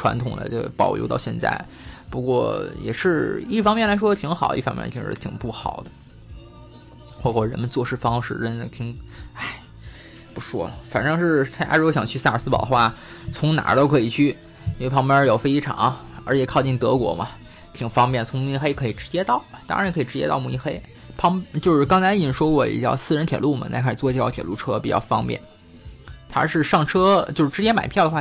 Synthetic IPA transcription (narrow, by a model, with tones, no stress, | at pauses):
ʈ͡ʂʰwa̰˧˥nt̪ʰʊ˨˩ŋd̪ə̰˦ʈ͡ʂɤ˥˩pɑ˨˩ʊljo̰˧˥t̪ɑ˥˧ɕjɛ˥˧nt͡sa̰˥˩ɪ | pu˧˥kwɔ̰˥˧jɛ̰˨˩ʂɻ̩˥˧i˥˩fɑ˥ŋmjɛ˥˩nla˧˥ɪʂwɔ˥˧t̪ʰi˧˥ŋxɑ˨˩˦ʔḭ˥˩fɑ˥ŋmjɛ̰˥˧˥t̪ʰi˧˥ʂɻ̩̰˥˩t̪ʰi˨˩ŋpu˥˩xɑ˨˩ʊd̪ə˦ | xwɔ˥˧˩kwɔ˥˩ɻə˧˥nmə˧nt͡swɔ˥˧ʂɻ̩˥˩fɑ˥ŋʂɻ̩˥˩ʈ͡ʂə˥nə˥˩t̪ʰi˧˥ŋa˥˩ɪ | pu˧˥ʂwɔ̰˥lə˨˩fa˨˩nʈ͡ʂɤ˥ŋʂɻ̩˥˩t̪ʰt͡ɕja̰˥ɻjo˧˥˩ɕjɑ˨˩ŋt͡ɕʰy˥˧sa˥˩ə˞˨˩sɹ̩˥pɑ˨˩ʊd̪əxwa˥˩t͡sʰʊ˧˥ŋna̰˨˧˥t̪o˥ʊkʰɤ˧˥i˨˩t͡ɕʰy˥˩ | i˥nwe˥˧ɪpʰŋpjɑ˥jo˨˩ʊfe˥ɪi˥ʈ͡ʂʰɑ̰˨˧˩ŋə˞˧˥t͡ɕjɛ˨˩kʰɑ˥˧ʊt͡ɕi˥˩ŋt̪ɤ˧˥kwɔ̰˧˥mɐ˧ | t͡ɕ̪ʰi˨˩ŋfɑ˥ŋp̬jɛ˥˩nt͡sʰʊ˧˥ŋmu˧˩˧xe˥ɪ˧kʰɤ˧˥i˨˩ʈ͡ʂɻ̩˧˥t͡ɕjɛ˥t̪ɑ˥˩ʊ˩t̪ɑ̰˥˧˥kʰɤ˧˥i˨˩ʈ͡ʂɻ̩˧˥t͡ɕjɛ̰˥t̪ɑ˥˧ʊmu˥˩i˧˥xe˥ɪ | pʰɑ˧˥ŋt͡ɕjo˥˧ʊʂɻ̩˥˩kɑ˥ŋt͡sʰa˧˥ɪ˧˩ʂwɔ˥kwɔ˥˩ḭ˨˩t͡ɕjɑ̰˥˧ʊsɹ̩˥ɻə˧nt̪ʰjɛ˨˩˦lu˥˩mɐ̰˩na˥˧˩kʰa˥˩ʂ̩˨˩t͡swɔ˥˧˩t͡ɕjɑ˥ʊt̪ʰjɛ̰˨˩lʔu˥˩ʈ͡ʂʰɤ˥pi˨˩t͡ɕjɑ̰˥˩ʊfɑ̰˥ŋpjɛ̰˥˩n | t̪ʰa̰˥ʂɻ̩˥˧ʂɑ˥˩ŋʈ͡ʂʰɤ˥t͡ɕjo˥˧ʊʂ̩˥˧ʈ͡ʂɻ̩˧˥t͡ɕjɛ˥nma˨˩ɪpʰjʊd̪ə˩xwa˥˧